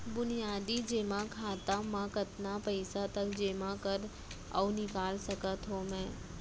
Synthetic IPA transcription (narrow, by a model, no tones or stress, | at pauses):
bʊnijaːd̪id͡ʒeːmãkʰaːt̪amãkɐt̪napɐɪsat̪ɐkd͡ʒeːmãkəɾ | ɐ̰wnɪkaːlsɐkət̪ɦõmɛ̃ː